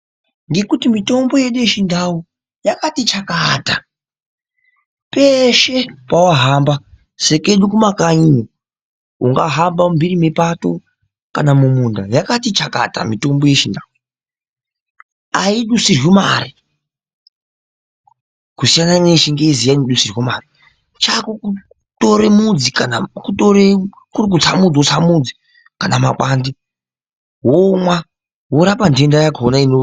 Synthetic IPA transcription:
ŋɡe̞kutimito̞mbo̞je̞ɗujeʃindʱau | jakatit͡ʃakata | peʃe̞pawaɦaːmba | se̞ke̞ɗukumakaino | uŋɡaɦambambirime̞pato̞ | kanamumundajakatit͡ʃaka̰ta̰mito̞mbo̞je̞ʃindau | aiɗusirwimari | kusijananeʃiŋɡezijaniɗusirwomari | t͡ʃakoku | to̞ɾemud͡zikanakutoɾe | kurik̬ut͡samud͡zot͡samud͡zi | kanamakaːndi | ɦomwa | woɾapandendajakonaino

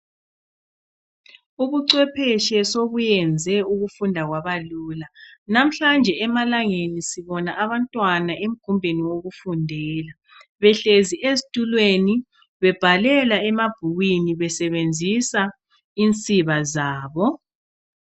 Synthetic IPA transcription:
uβuǀwɛpʰɛʃɛsoβujɛnd͡zʱɛuɣufundʱaɣwaβaluːlanam̩ɬand͡ʒʱɛɛmalaŋenisiβɔnaʔaβantʼwanaʔem̩ɡ̥ʱumbʱeniwoɣufundʱɛːla | βɛɬeziezitʼulweni | βɛb̥ʱalɛlaɛmab̥ʱuɣwiniβɛsɛβend͡zʱisa | int͡sʼiβazaːβɔ

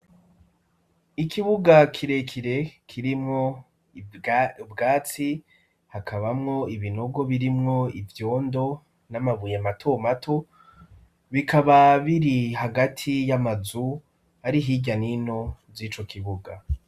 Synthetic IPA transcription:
ikʰiβuɡakʰiɾe̞kʰiɾe̞kʰiɾimŋo̞ | bɡaːt͡si | hakʰaβamŋo̞iβino̞ɡo̞βiɾimŋo̞ivjo̞ːndo̞ | namaβujamatʰo̞matʰo̞ | βikʰaβaβiɾihaɡatʰijamazu | aɾiɦiɟanino̞ziːt͡ʃo̞kiβuɡa

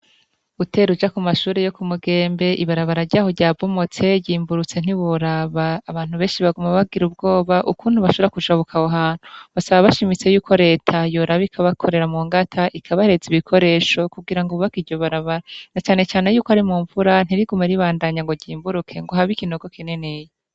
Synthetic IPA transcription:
ute̞ːɾud͡ʒakumaʃuːɾe̞jo̞kumuɡe̞ːmbe̞ʔiβaɾaβaɾaɾɟaːhoɾɟaːvomot͡se̞ɟiːmbuɾut͡se̞n̥iβuɾaβaːβaːn̥huβe̞ːnʃiβaɡumaβaɡiɾubɡo̞ːβaʔukuːnuβaʃoɾakuʒaβukʰawoɦaːn̥uβasaβaβaʃimit͡se̞juːkʰo̞ɾe̞ːtʰajo̞ɾaβikʰaβakʰo̞ɾe̞ɾamuːŋɡatʰaʔikʰaβaee̞ziβikʰo̞ɾe̞ːʃo̞kuɡiɾaŋɡoβakiɟoβaɾaβaɾanat͡ʃaːne̞t͡ʃaːne̞juːkoaɾimuːɱvuɾan̥iɾiɡumeɾiβaːndaɲaŋɡo̞ɟiːmbuɾukʰe̞ŋɡo̞ɦaβikino̞ɡo̞kine̞neje

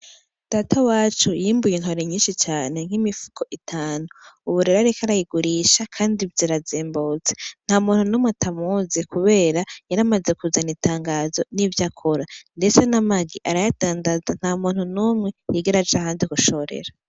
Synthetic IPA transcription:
d̥aːtawaːt͡ʃujiːmbujenɦo̞ɾeɲiːnʃit͡ʃaːne̞ŋ̥himifu̥kʰo̞ʔitʰaːnuːβuɾeɾoaɾekaɾajiɡuɾiːʃakʰaːndivjeɾazeːmboːt͡sen̥haumuːn̥hunuːmŋetʰamuzekuβe̞ːɾajaɾamaze̞kuzanitaːŋɡaːzo̞nivjakʰoɾande̞t͡senamaɡiʔaɾajataːndazan̥haːmuːn̥hunuːmŋe̞jiɡeɾad͡ʒeahaːndikuʃo̞ɾḛɾa

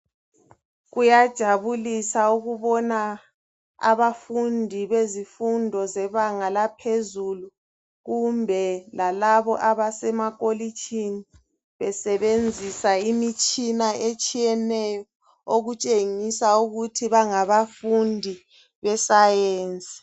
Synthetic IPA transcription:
ɣujad̥ʒ̥ʱaβulisauɣuβɔna | a̰βafundʱiβezifundʱɔzɛβaŋalapʰezulu | ɣumbʱɛlalaβɔʔaβasɛmaɣʼolit͡ʃʼini | βɛsɛβend͡zʱisaimit͡ʃʼinaet͡ʃʼijɛnɛjɔ | oɣut͡ʃʼeŋisauɣutʰiβaŋaβafundʱi | βɛsajeːnt͡sʼi̥

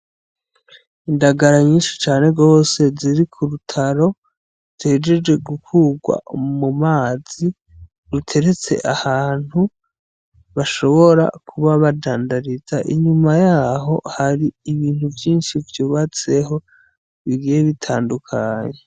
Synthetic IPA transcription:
indaɡaɾaɲiːnʃi̥t͡ʃaːne̞ɡo̞ːse̞ziɾikʰuɾutʰaɾo̞ | z̥e̞ːd͡ʒe̞d͡ʒɡe̞ɡukuːɡwa̰mumaːzi | ɾutʰe̞ɾe̞t͡se̞̰ʔahaːn̥hu | βaʃo̞βo̞ɾa̰kʰuβaβadaːndaɾizaʔḭɲumajaːɦo̞̰haɾiːβiːn̥huvjiːnʃivjuːβat͡se̞ɦo̞ | βiɡijeβitʰaːndukʰaːɲe

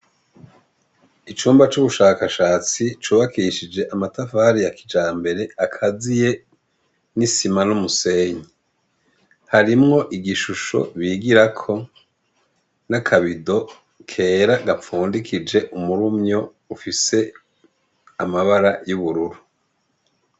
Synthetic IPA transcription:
it͡ʃuːmbat͡ʃuβuʃaːkaʃaːt͡sit͡ʃuːβakiʃid͡ʒe̞ʔamatafaːɾijaki̥d͡ʒaːmbe̞ɾe̞akʰazije̞ | nisimanumuse̞ːɲi | haɾimŋo̞ʔiɡiʃuʃo̞̰βiɡiɾakʰo̞ | nakʰaβido̞ | kʰe̞ːɾaɡaɱfuːndikʰid͡ʒe̞ʔumuɾumɲo̞ | ufise̞ | amaβaɾajuβuɾuɾu

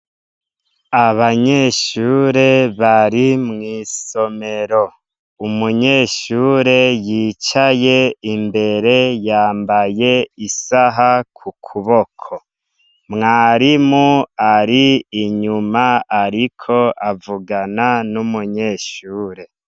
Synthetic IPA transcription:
aβaɲe̞ʃuːɾe̞βaɾimŋiːso̞me̞ɾo̞ | umuɲe̞ʃuːɾe̞jiːt͡ʃaje̞imbe̞ɾe̞jaːmbaje̞isaɦakʰukʰuβo̞kʰo | mŋaːɾimuaɾiːɲumaaɾikʰo̞ʔavuɡananumuɲe̞ʃuːɾe̞

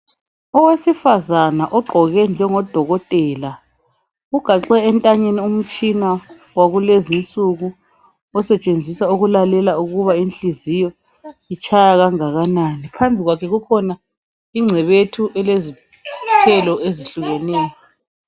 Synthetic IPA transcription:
ɔwesifazanaʔɔɡ͡ǃʱɔɣɛnd͡ʒʱɛŋɔd̥ʱɔɣɔtʼɛːla | uɡ̥ʱaǁɛɛntʼaɲenium̩t͡ʃʼina | waɣulezint͡sʼuɣu | ɔsɛt͡ʃʼend͡zʱisauɣulalɛlauɣuβainɬʼizijɔ | it͡ʃʰajaɣaŋaɣananipʰambʱiɣwakʰɛɣukʰɔna | iŋ͡ǀʱɛβetʰuʔɛlezi | tʰɛlɔeziɬuɣɛnɛːjɔ

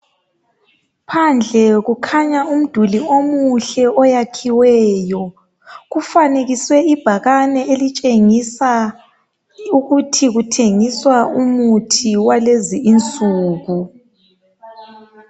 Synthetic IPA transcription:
pʰand͡ɮʱɛɣukʰaɲaum̩d̥ʱuliomuɬɛɔjakʰiwɛːjɔ | ɣufaneɣiswɛib̥ʱaɣanɛelit͡ʃʼeŋisa | uɣutʰiɣutʰeŋiswaumutʰiwaleziːnt͡sʼuːɣu

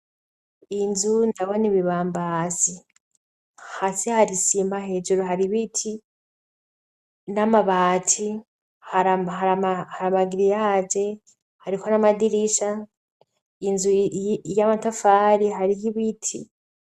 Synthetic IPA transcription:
inzundaβoniβiβaːmbasi | hasihaɾisimahe̞ːd͡ʒuɾoɦaɾiβitʰi | namaβaːtʰi | haɾaɦaɾamahaɾamaɡiɾijad͡ʒe̞ | haɾikonamadiɾiʃa | inzujamatafaɾiɦaɾihiβitʰi

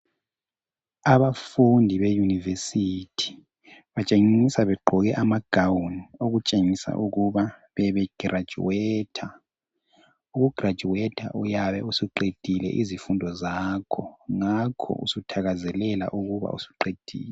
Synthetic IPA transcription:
aβafundʱiβejunivesitʰi̥ | βat͡ʃʼeŋisaβɛɡ͡ǃʱɔɣɛʔamaɡ̥ʱawnioɣut͡ʃʼeŋisa̰ʔuɣuβaβɛβɛɡ̥ʱrʔḁd͡ʒ̥ṵɛːtʰa | uɣuɡ̥ʱrḁd͡ʒʱuwɛtʰa̰ʔujaβɛ̰usiǃed̥ʱilɛ̰ʔizifundʱɔzakʰɔŋakʰɔ̰ṵsutʰaɣazɛlɛla̰ʔuɣuβa̰ṵsu̥ǃed̥ʱḭːlɛ

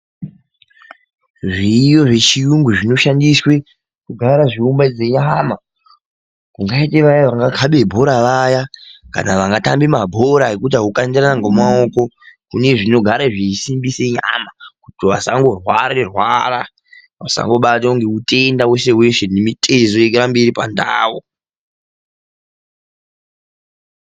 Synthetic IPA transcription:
ʐijo̞ʐe̞t͡ʃijuŋɡuʐino̞ʃandiswe̞ | kuɡʱaɾaʐiumbad͡zeɲama | kuŋɡaiteʋajaʋaŋɡakʰaɓe̞bʱo̞ɾaʋajaka̰naʋaŋɡatambimabʱo̞ɾaɦekut̬aɦukandiranaŋɡomaoko̞ | kune̞ʐino̞ɡʱaɾaʐisimbiseɲa̰makutiʋasa̰ŋɡo̞rwaɾerwara | ʋasa̰ŋɡo̞ɓat̬auŋɡeute̞ndawe̞se̞we̞ʃenemitʼezo̞ekeɾambeɾipanda̰ːwo

